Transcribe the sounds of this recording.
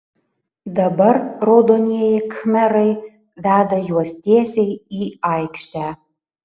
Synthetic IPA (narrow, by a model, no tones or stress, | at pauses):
d̪ɐbɐɾɾoːd̪oːnʲeɛjɪkmʲɛɾɐɪ | ʋʲæːd̪ɐjuɔsʲt̪ʲiɛsʲɛɪiːɑɪkʃʲt̪ʲæː